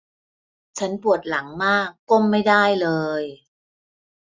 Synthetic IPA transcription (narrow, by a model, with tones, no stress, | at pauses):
t͡ɕʰa˦˥npu˨˩ət̪̚la˩˦ŋmaː˥˩kːo˥˩mːa˥˩jda˥˩jlɤː˧j